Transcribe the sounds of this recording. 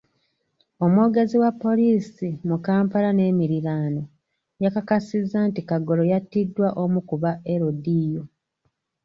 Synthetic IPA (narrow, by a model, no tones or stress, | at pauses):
o̞mwo̞ːɡe̞ziwapːo̞liːsimukaːmpalane̞ːmiɾiɾaːno | jakakasizːantikaɡo̞lo̞jatːidːwaʔo̞mukuβae̞ɾodijo̞